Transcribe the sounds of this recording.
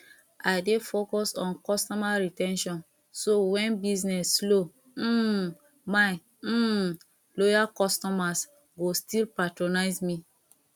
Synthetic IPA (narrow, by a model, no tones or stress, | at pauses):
aɪdefokɔsɔ̃nkɔstɔmaɹitɛ̃nʃɔ̃n | sowɛ̃nbiznɛsːlo | m̩ | mã | lojakɔstɔmas | ɡostilpatɹonaɪzmi